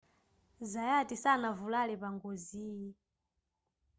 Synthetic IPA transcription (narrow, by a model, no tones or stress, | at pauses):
zajatisanavulalɛpaŋɡoziːji